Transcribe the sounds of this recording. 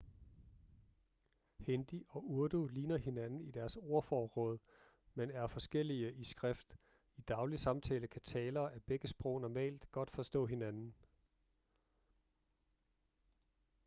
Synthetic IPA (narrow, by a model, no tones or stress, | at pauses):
hend̥iʔɒ̽ʔuɐd̥uliːnɐhe̝nænn̩id̥æɐso̝ɐfɒːʁɔ̽ːð̞ˠ | menæɐfɒ̽sɡ̥el̰iəʔisɡ̥ʁɛfd̥ | id̥ɑ̈ʊlisɑ̈mt͡sʰɛ̰ːləkʰæt͡sʰɛːlɐːʔæb̥eɡ̥əsb̥ʁɔ̽ʊ̰nɒmɛ̰ːld̥ɡ̥ɒ̽d̥fɒ̽sd̥ɔ̰̽ːɦe̝nænn̩